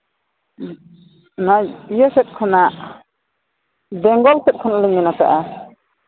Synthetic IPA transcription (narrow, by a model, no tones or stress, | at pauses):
naijɔsɛt̪̚kʰɔnaʔ | bɛŋɡɔlsɛt̪̚kʰɔnalɯŋninata̰ʔa